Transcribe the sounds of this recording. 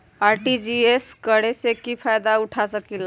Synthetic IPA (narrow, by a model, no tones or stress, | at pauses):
aɾʈid͡ʒieskəɽesekipʰajd̪auʈʰasəkil